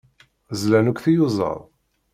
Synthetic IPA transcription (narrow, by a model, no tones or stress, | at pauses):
zlænukʷθijʊzˤə̰ɾˤ